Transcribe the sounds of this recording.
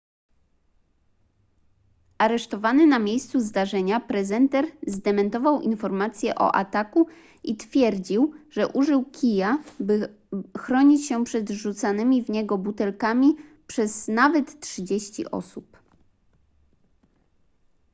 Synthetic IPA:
ʔaɾɛʂt̪ɔvanɘnamʲjejst̪suzd̪aʐɛɲapɾɛzɛnt̪ɛɾzd̪ɛmɛnt̪ɔvawʔḭnfɔɾmat̪sʲjɛʔɔ̰ʔa̰t̪aku | ʔit̪fʲjɛɾd͡ʑiwʐɛʔuʐɘwkʲʰijabɘ | xɾɔɲit͡ɕɕɛpʂɛd̪ʐut̪sanɘmʲivɲɛɡɔbut̪ɛlkamʲipʂɛz̥navɛt̪tʂɘd͡ʑeɕt͡ɕḭʔɔ̰sup

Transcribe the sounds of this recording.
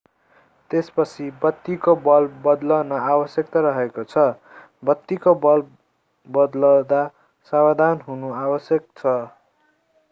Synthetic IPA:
t̪espʌt͡sʰibʌt̪ːikobʌlbʌd̪lʌnʌabʌsjʌk̚t̪aɾʌɦekot͡sʰʌ | bʌt̪ːikobʌl | bʌd̪lʌd̪a | sawad̪ʱanɦunuabʌsjʌk̚t͡sʰʌ

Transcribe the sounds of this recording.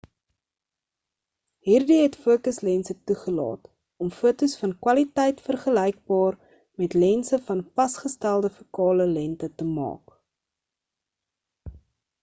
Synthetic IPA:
ɦiːrdiɦɛtfuəkəslɛnsətuχəlɑ̰ːt | ɔmfuətusfɐnkwɐlitɛjtfərχəlɛjk̚bɑːr | mɛtlɛnsəfɐnfɐsχəstælˠdəfukɑːləlɛntətəmɑ̰ːk

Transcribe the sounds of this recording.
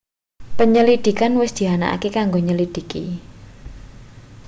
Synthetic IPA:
pəɲəlid̪̥i̤kanwɪsd̪̥i̤ɦana̰ʔa̰kekaŋɡoɲəlid̪̥i̤kḭ

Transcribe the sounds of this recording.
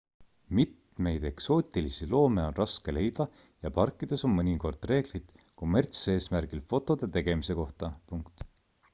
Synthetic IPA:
mit̪ | me̞jd̪̥e̞kso̞ːt̪ʲˑilisilo̞ːme̞o̞nrɑske̞le̞jd̪̥ɑ | jɑpɑrkːˑid̪̥e̞so̞nmɤnʲiko̞rd̪̥re̞ːɡ̥lit̪ | ko̞me̞rt̪se̞ːsmæɾɡ̥ilfo̞t̪ːˑo̞d̪̥e̞t̪e̞ɡ̥e̞mise̞ko̞ht̪ɑpuŋkt̪

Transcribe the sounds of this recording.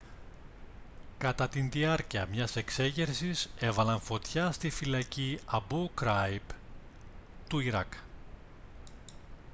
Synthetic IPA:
kɐt̪ɐt̪inðiɐɾciɐmɲɐse̞kse̞ʝeɾsise̞vɐlɐɱfo̞t̪çɐst̪ifilɐciɐbukɾɐjb | t̪uiɾɐk

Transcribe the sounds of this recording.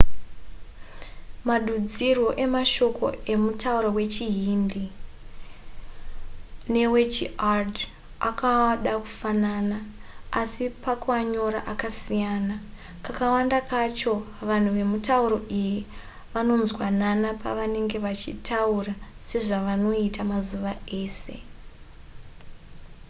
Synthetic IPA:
maɗud͡zirwo̞ʔe̞maʃo̞ko̞̰e̞mutauɾowe̞t͡ʃiɦindi | ne̞we̞t͡ʃiard | akaɗaku̥fananaasipakwaɲo̞ɾa̰ʔakasijana | kakawandakat͡ʃo̞ | ʋan̤uʋe̞mutauɾo̞ʔiji | ʋano̞nzwananapa̰ʋane̞ŋɡe̞ʋat͡ʃḭtʰaurase̞ʐaʋano̞itamazuʋaeːse̞

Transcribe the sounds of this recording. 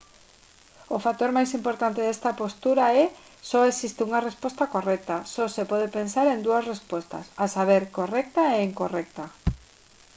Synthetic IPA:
ofat̪oɾmajsimpoɾt̪ant̪eðest̪apost̪uɾaɛ | sɔesist̪ɪuŋarespɔst̪akorɛk̚t̪asɔsepɔð̞epensaɾend̪uasrespost̪ɐ̰sasaβ̞eɾkorɛk̚t̪aeiŋkorɛk̚t̪a

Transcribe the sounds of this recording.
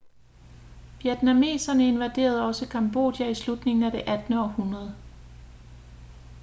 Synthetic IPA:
ʋjed̥næme̝̰ːsɐnəe̝nʋæd̥e̝̰ːɐð̞ˠɒ̽səkʰɑmb̥o̝̰d̥jæislud̥ne̝ŋn̩æd̥e̝ʔæd̥nəɒ̽hunʁɐð̞ˠ

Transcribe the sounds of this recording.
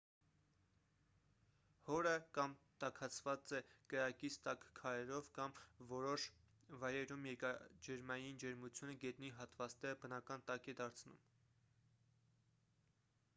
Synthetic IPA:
hɔɾəkɑmt̪ɑkʰɑt͡sʰvɑt͡sɛkəɾɑkit͡sʰt̪ɑkkʰɑɾɛɾɔvkɑmvɔɾɔʃ | vɑjɾɛɾumjɛkɑd͡ʒɛɾmɑjind͡ʒɛɾmut͡sʰjunəɡɛt̪niɦɑt̪vɑt͡snɛɾəbənɑkɑnt̪ɑkɛd̪ɑɾt͡sʰnṵm

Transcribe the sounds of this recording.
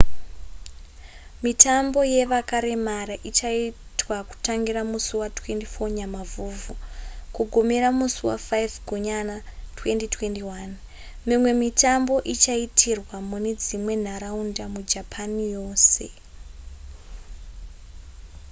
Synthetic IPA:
mitʰambo̞je̞ʋakaɾe̞maɾaʔit͡ʃaitwaku̥taŋɡiɾamusuwatwe̞ndifo̞ɲamavuːvukuɡʱo̞meɾamusuwa̰fajvɡʱuɲanatwe̞nditwe̞ndiwan | mimwe̞mitambo̞ʔit͡ʃaitʰirwamune̞d͡zimwe̞n̤aɾaundamud͡ʒapʰanijo̞ːse̞

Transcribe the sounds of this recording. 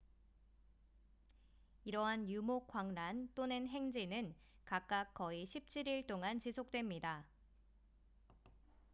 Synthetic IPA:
iɾʌɦanjumok͈waŋnant͈onɯnɦe̞ŋd͡ʑinɯn | kak̚k͈ak̚k͈ʌiɕʰip̚t͡ɕʰiɾiɭt͈oŋant͡ɕisʰok̚t͈we̞mɲida

